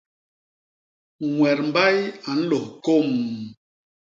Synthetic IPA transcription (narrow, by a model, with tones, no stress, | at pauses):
ŋwɛ˨ɾm̩˨ba˦ja˨n̩˦lo˨hko˦˨m